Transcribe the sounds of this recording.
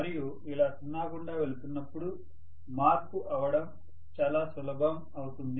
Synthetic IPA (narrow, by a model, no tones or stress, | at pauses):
ɐɾiju | ilaːt̪unːaːkuɳɖaːʋe̞lut̪unːɐpːuɽu | maːɾkuʔɐʋɐɽɐm | t͡ʃaːlaːsulɐɡɐm | ɐwut̪und̪i